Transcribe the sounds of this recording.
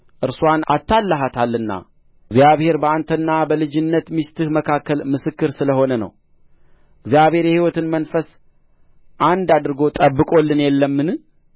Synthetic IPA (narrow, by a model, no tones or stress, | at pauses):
ʔɨɾsuwana̰t̪ːalːəɦat̪ʰalːɨnːa̰ | ɡzjaβhe̞ɾbəant̪ʰənːabəlɨd͡ʒɪnːət̪mist̪ɨhməkʰakːəlmɨsɨkːɨɾsɨləho̞nənə̰w | ɪɡzijaβhe̞ɾjɛhiwɔt̪ɨnmənfəs | ʔand̪ad̪ɨɾɨɡo̞t̪ʼəbːɨkʼo̞lːɨnjɛlːəmːɨn